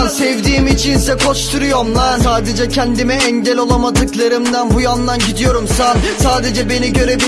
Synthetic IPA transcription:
sɛvd̪iːmit͡ʃʰinsɛkʰo̞ʃt̪ʰuɾujo̞ɾmnasaːd̪ed͡ʒɛcʰɛnd̪imɛɛɲɟɛlʲolˠamad̪ɯklˠaɾɯmd̪ænbujand̪anɟid̪ijo̞ɾumsasaːd̪e̞d͡ʒɛbe̞niɟøɾebi

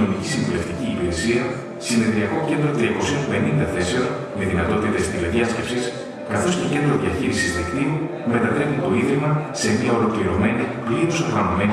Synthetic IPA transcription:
omicisiɱvule̞ft̪iciːpiɾesiɐ | sine̞ðɾiɐko̞ce̞nd̪ɾo̞t̪ɾiɐko̞sio̞mpe̞nind̪ɐθe̞se̞on | meðinɐt̪o̞t̪it̪e̞st̪ilɐðiɐsce̞psis | kɐθo̞st̪oce̞nd̪ɾo̞ðiɐçiɾisizðikt̪iu | me̞t̪ɐt̪ɾe̞pit̪o̞iðɾimɐse̞mɐo̞lo̞kliɾo̞me̞nipliɾosoɾɣɐnome̞

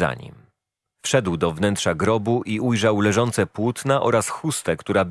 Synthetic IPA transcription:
a̰ɲḭm | fʂɛd̪wd̪ɔvnɛntʂaɡɾɔbuʔiujʐawlɛʐɔnt̪sɛpwut̪naʔɔɾasxust̪ɛkt̪uɾab

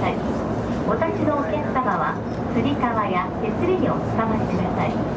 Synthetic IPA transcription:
ai | βat̪aɕinoːkẽst̪abaβa | sɯɾʲik̪aβaja | e̞sɨɾʲiiot͡sɨ̥kamaɕi̥t̪ekɯasai

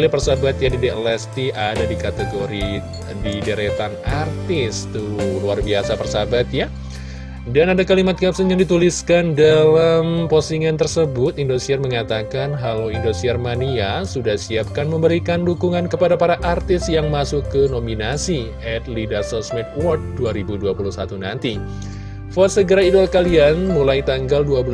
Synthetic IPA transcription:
lipərsabat̪̚jadidɛʔəlɛst̪iʔadadikat̪eɡoɾi | didəɾet̪anart̪ɪst̪uluarbiasapərsabat̪ja | danadakalimat̪̚ɡapsənjaŋdit̪uliskandalamposiŋant̪ərsəbʊt̪indosiɛrməŋat̪akanɦalawindosiɛrmaniasudahsiap̚kanməmbəɾikandukuŋankəpadapaɾaʔart̪ɪsjaŋmasukːənominasiʔɛt̪̚lidasɔsmɛt̪̚wɔrt̪̚duaɾibuduapuluhsat̪unant̪i | fɔt̪̚səɡəɾaidolakalianmulajit̪aŋɡalduabəl

